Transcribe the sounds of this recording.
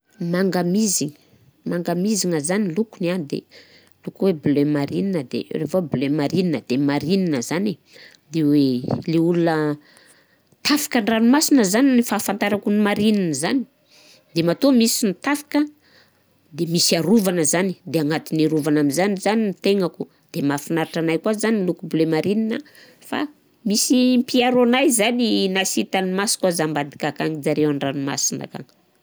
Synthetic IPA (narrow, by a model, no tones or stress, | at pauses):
maŋɡamiziŋ | maŋɡamiziŋəzanilukunanid̪ḛ | lukuweblemaɾininəd̪ḛrevablemaɾininəd̪̥emaɾininəzani | d̪eweleulunə | t̪ʰafḁkəɳranumasinəzaninifaːfant̪aɾakunimaɾininəzani̥ | d̪emat̪omisinit̪afḁkə | d̪emisiaɾuvanəzanid̪eaŋat̪iniɾuvanaminzanizaninit̪eŋaku | d̪̥emafinaɾaʈ͡ʂanajkwazanilukubulemaɾininə | fa̰ | misimpiaɾonajzaninasit̪animasi̥kazambad̪ikʲakaŋid͡zaɾewaɳɖ͡ʐanuma̰sina̰ka̰ŋ